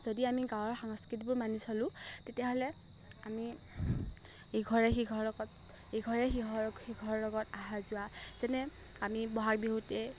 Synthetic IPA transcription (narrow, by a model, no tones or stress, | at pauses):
z̥odiamiɡawɔɹxaŋskɹit̬bʊɹmanisɔlʊ̃tetijaɦolɛ | ami | ejɡʱɔɹɛxiɡʱɔɹlɔɡɔt | ejɡʱɔɹɛxiɦɔxiɡʱɔɹlɔɡɔtaɦaɹzʊwaz̥ɛnɛ | amibɔɦak̚biɦutɛ